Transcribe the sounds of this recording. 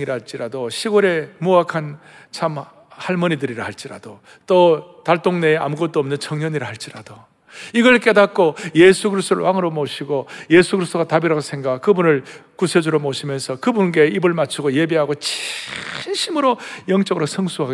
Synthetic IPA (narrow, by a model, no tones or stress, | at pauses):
iɾaɦaɭt͡ɕ͈iɾadoɕʰiɡoɾe̞moakʰan | t͡ɕʰam | haɭmʌɲidɯɾiɾahaɭt͡ɕ͈iɾa̰d̥o | t͈otaɭt͈oŋne̞a̰muɡʌt̚t͈oʌmnɯnt͡ɕʰʌŋɲʌɲiɾaɦaɭt͡ɕ͈iɾa̰d̥o | iɡʌɭk͈e̞dak̚k͈ojesʰuɡɯɾist͈oɾɯ̰waŋɯɾomoɕʰiɡojesʰuɡɯɾist͈oɡatabiɾaɡosʰe̞ŋɡakɯbunɯɭkusʰed͡ʑuɾomoɕʰimjʌnsʰʌkɯbunɡe̞ibɯɭmat͡ɕʰuɡoje̞beɦaɡot͡ɕʰi̥nɕʰimɯɾojʌŋt͡ɕ͈ʌɡɯɾosʰʌŋsʰuɦaɡe